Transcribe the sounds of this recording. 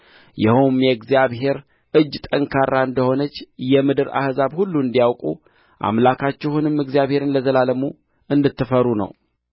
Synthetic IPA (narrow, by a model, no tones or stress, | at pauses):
jɛhumjɛɡzijaβhe̞ɾ | ʔɨd͡ʒːt̪ʼəŋkʰarːaɨnd̪əho̞nət͡ʃːjɛmɨd̪ɨɾa̰hzaβhulːuɨnd̪ijawkʼṵ | ʔa̰mlakʰat͡ʃːɛhunɨmːɨɡzijaβhe̞ɾɨnləzəlaləmu | ʔɨnd̪ɨt̪ːɨfəɾunə̰w